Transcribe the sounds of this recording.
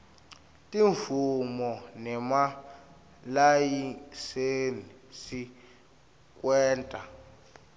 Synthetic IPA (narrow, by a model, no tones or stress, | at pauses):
tʼiɱfumɔnɛma | lajiseni | si | k̬ʼwɛːntʼa